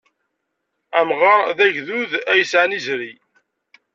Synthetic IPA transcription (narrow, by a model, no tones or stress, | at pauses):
æmʁɑɾðæʝðuðæjəsʕanizɾi